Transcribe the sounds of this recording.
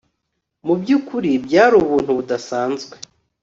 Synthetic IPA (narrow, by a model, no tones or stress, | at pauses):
mubɟuːkuɾibjaːɾuβuːn̥huβudasaːnzɡwe